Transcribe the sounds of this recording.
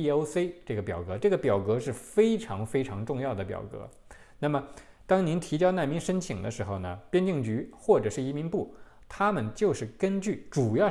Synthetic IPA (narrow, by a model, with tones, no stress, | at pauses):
o˥ʊse˥ɪʈ͡ʂɤ˥˩ɡə˩pjɑ˨˩ʊkɤ˧˥ʈ͡ʂɤ˥˩ɡə˩pjɑ˨˩ʊkɤ˧˥ʂɻ̩˥˩fe˥ɪʈ͡ʂʰɑ˧˥ŋfe˥ɪʈ͡ʂʰɑ˧˥ŋʈ͡ʂʊ˥˧ŋjɑ˥˩ʊd̪ə˩pjɑ̰˨˩ʊkɤ̰˧˥ | na˥˩mə˩ | t̪ɑ˥ŋni˧˥nt̪ʰi˧˥t͡ɕjɑ˥na˥˩nmi˧˥nʂə˥nt͡ɕʰi˨˩ŋd̪ə˦ʂɻ̩˧˥xo˥˧ʊnə˩pjɛ˥nt͡ɕi˥˩ŋt͡ɕy˧˥xwɔ˥˩ʈ͡ʂɤ˨˩ʂɻ̩˥˩i˧˥mi˧˥npu˥˩ | t̪ʰa˥mə˨nt͡ɕjo˥˧ʊʂɻ̩˥˩kə˥nt͡ɕy˥˩ʈ͡ʂu˨˩jɑ˥˧ʊ